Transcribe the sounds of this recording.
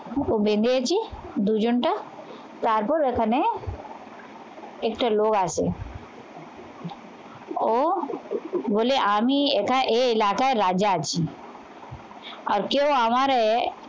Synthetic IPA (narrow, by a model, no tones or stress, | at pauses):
obẽnd̪iet͡ʃʰid̪ud͡ʒʊɳʈɐ | t̪aːɾpuɾekʰəne | ekʈɐloːɡaːsḛ | o | boːleʔaːmiekʰaʔeɪlaːkaeɾaːd͡ʒat͡ʃʰi | ɔːɾkeoamaɾee